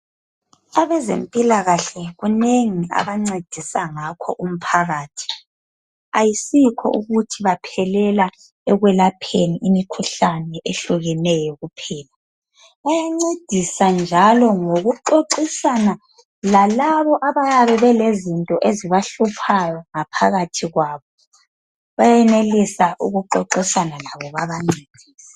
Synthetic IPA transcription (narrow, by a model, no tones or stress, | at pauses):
aβɛzḛmpʼilaɣaɬɛɣuneŋia̰βaŋ͡ǀed̥ʱisaŋakʰɔ̰ʔum̩pʰaɣaːtʰi̥ | ajisikʰɔ̰ʔuɣutʰiβapʰɛlɛla | ɛɣwɛlapʰeniʔimikʰuɬanɛʔeɬuɣɛnɛjɔɣupʰɛːla | βajaŋ͡ǀed̥ʱisand͡ʒʱalɔŋoɣuǃoǃisana | lalaβɔʔaβajaβɛβɛlezintʼɔʔeziβaɬupʰajɔŋapʰaɣatʰiɣwaːβɔ | βajɛnelisaʔṵɣuǃoǃisanalaβɔβaβaŋ͡ǀiːd̥ʱiːs